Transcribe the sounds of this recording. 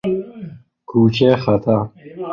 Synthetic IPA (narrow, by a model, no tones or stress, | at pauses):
kuːt͡ɕeːxɐt̪ʰa